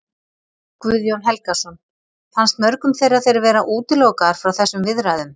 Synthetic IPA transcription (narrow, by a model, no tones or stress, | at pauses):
kvʏðjownɦɛlkasɔn | fanst̪mœɾkʏmθejɾaðθejɾvɛːɾaʔuːt̪ɪlowkaɾ̥fɾawθɛsːʏmvɪðɾajðʏm